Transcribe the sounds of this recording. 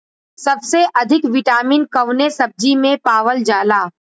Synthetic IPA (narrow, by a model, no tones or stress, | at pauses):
sɐbseʔɐd̪ʱɪkʋɪʈaːmiːnkɐʊnesɐb̚d͡ʒimẽpaːʋəld͡ʒaːlaː